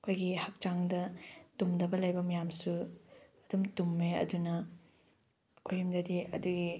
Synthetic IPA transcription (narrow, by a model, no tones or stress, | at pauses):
ɐkʰojɡihɐk̚t͡ʃaŋdɐtumdɐbɐlɐjbɐmɐjamsuɐdumtumːeɐ̰dunɐ | kʰojimdɐdiɐ̰duɡi